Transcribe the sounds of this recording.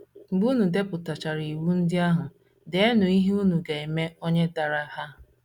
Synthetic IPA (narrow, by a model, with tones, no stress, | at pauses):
ŋ͡m̩˨ɡ͡bu˦nu˨de˦pʊ˨ta˨t͡ʃa˨ɾi˨wu˦n̩˦dɪ˦a˦ɦʊ˨ | de˨e˦nʊ˨i˦ɦe˦u˦nu˨ɡe˨e˨me˦o˦ɲe˦da˨ɾa˦ha˦